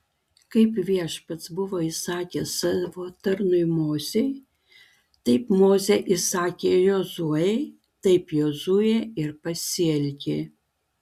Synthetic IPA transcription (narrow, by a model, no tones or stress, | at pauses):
kɐɪpʋʲiɛʃpɐt̪sbʊʋoːisɑːkʲesɑʋoːt̪ɐɾnʊɪmoːzʲej | t̪ɐɪpmoːzʲeʔisɑːkʲeːjoːzuɛ | t̪ɐɪpjoːzujɛɪɾpɐsʲɪɛlʲkʲe